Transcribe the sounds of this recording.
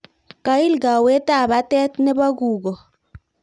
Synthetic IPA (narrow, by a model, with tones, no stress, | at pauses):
ka˨˦i˦lɡa˨we˦t̪a˦˨ba˦t̪ɛ˦t̪nɛ˦ba˦ɡu˨ɡɔ˨